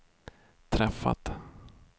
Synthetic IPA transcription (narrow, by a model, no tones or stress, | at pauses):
t̪ʰɾɛfːa̰t̪